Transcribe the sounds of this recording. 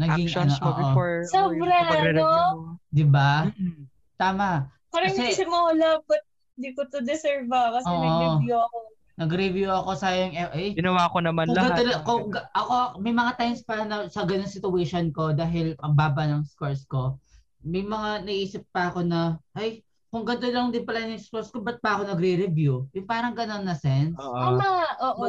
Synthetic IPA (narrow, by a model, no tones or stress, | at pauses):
nɐɡiŋɐnoʔo̰ʔosobɾaɛod̪ɪba | t̪aːmɐʔ | pɐɾɐɐsɛisɪmoɐlɐbɐt̪̚ | ɪnd̪ikot̪od̪ɛsɛɹvɐkɐsɛnɐoɡɾɪvjuɐko | nɐɡɾɪvjuɐko̞sajoŋɛʔɐjɡɪnɐwaːkonɐmanʊlɐɡɐolɐkoŋɡɐʔɐko̞mɐjmɐŋat̪ajmspɐnɐsɐɡɐnoŋsɪt̪ʊwɛʃonko̞d̪aːɦɪlpɐbaːbɐnɐŋskoɹsko̞ | mɐjmɐŋanɐʔiːsɪp̚pɐɐko̞nɐʔaj | kʊŋɡɐnt̪̬olɐŋd̪ɪnpɐlanɐŋskoɾskobɐt̪̚pɐʔɐko̞nɐɡɾɛɾɛvjujʊŋpaːɾɐŋɡɐnonːɐsɛnsɐmɐʔoːʔo